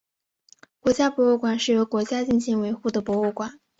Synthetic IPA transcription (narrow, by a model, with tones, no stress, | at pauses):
kwɔ˧˥t͡ɕja˥pwɔ˧˥u˥˩kwa˨˩nʂɻ̩˥˩jo˧˥ʊkwɔ˧˥t͡ɕja˥t͡ɕi˥˩nɕi˧˥ŋwe˧˥ɪxu˥˩d̪ə˩pwɔ˧˥u˥˩kwa˨˩˦n